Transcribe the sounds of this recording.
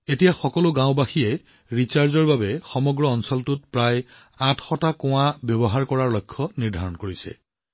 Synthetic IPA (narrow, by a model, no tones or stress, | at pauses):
etijaxɔkɔlʊɡãw̃baxijɛ | ɹit͡ɕaɹzɔɹbabɛxɔmɔɡɹɔːnsɔltʊt̚pɹaj | ãtʰxɔtakɔ̃w̃abjɔbɔɦaɹkɔɹaɹlɔjkʰːɔniɹdʱaɹɔnkoɹisɛ̰